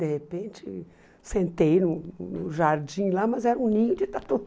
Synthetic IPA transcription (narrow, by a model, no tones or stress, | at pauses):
d̪ehepẽnt͡ʃɪ | sẽnt̪ejnʊnʊʒaɾd͡ʒĩlamɐzɛɾɐũnĩɲʊd͡ʒɪt̪at̪o